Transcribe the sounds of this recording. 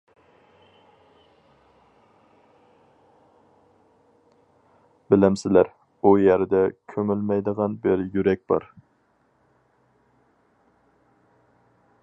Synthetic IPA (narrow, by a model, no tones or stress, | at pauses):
bɪlɪmsɪlæɾ | ujæɾɪd̪ɛkʲʰømylmɛjd̪əʁɑnbɪɾjyɾɛk̚ʲb̥ɑ̰ɾ